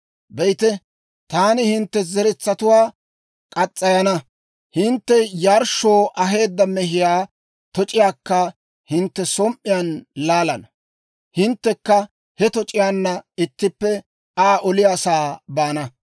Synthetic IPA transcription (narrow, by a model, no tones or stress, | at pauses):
bɛjt̪ɛ | t̪aːnɪhɪnt̪ːɛzɛɾɛt͡sːɐt̪ʊwaː | kʼɐt͡sʼːɐjɐnɐ | hɪnt̪ːɛjaːɾʃːoːʔɐɦe̞ːd̪ːɐmɛɦɪjaː | t̪ɔt͡ʃʼɪjaːkːɐ | hɪnt̪ːɛsɔmʔɪjanlaːlɐnɐ | hɪnt̪ːɛkːɐ | hɛt̪ɔt͡ʃʼɪjaːnːɐɪt̪ːɪpːɛ | aːʔɔlɪjaːsaːbaːnɐ